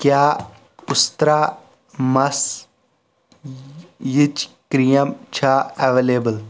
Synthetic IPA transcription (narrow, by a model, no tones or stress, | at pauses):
kjaː | ʊst̪ɾaː | mɐs | jit͡ʃkɾijɐmt͡ʃʰaːɐʋeːleːbəl